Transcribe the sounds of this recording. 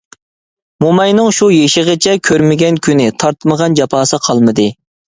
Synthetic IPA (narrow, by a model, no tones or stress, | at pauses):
momɑjnɨŋʃujeʃəʁət͡ʃʰɛkʲʰøɾmɪɡʲɛnkʲʰynɪt̪ʰɑɾt̪məʁɑnd͡ʒɑpʰɑːsɨqʰɑlˠmɨd̪ɨ